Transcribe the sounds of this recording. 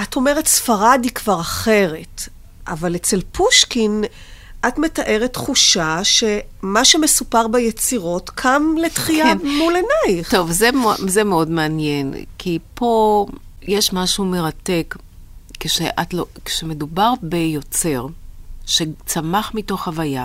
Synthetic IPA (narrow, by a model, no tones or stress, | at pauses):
ato̞meʁetsfaʁadikvaʁaχe̞ʁe̞t | ʔavalet͡se̞lpuʃkin | ʔatme̞taʔe̞ʁetχuʃaʃe̞maʃeme̞supaʁbajet͡siʁo̞tkʰamlettχiamulenajt̪o̞vzemzemeo̞dmeanjenkʰipʰo̞jeʃmaʃume̞ʁate̞k | keʃeʔatloke̥ʃemedubaʁbejo̞t͡se̞ʁʃet͡samaχmito̞χhavaja